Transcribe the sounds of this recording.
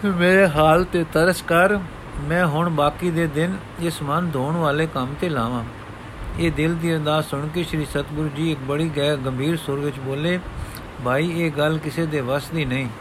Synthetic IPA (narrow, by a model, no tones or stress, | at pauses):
meːɾeːɦaːlt̪eːt̪əɾəskəɾ | mɛ̃ːɦʊɳbaːkiːd̪eːd̪ɪn | ɪsmənd̪oːɳʋaːleːkəmt̪eːlaːʋãː | eːd̪ɪld̪iːəd̪aːsʊɳkiʃɾiːsət̪bʊɾd͡ʒiːɪk̚bəɽiːɡɛːɡəmbʱiːɾsʊɾʋɪt͡ʃboːleː | bʱaːiːeːɡəlkɪseːd̪eːʋəsd̪iːnəĩː